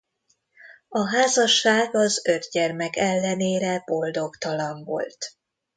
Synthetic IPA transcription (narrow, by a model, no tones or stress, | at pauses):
ɒɦaːzɒʃːaːɡɒzø̞d̪ɟɛrmɛkɛlːɛneːɾɛb̥o̞ld̪o̞kt̪ɒlɒɱvo̞̰lt̪